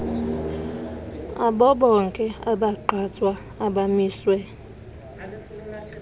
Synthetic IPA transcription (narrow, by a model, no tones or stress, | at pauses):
abɔbɔŋ̩keabaǃatwa | abamiswe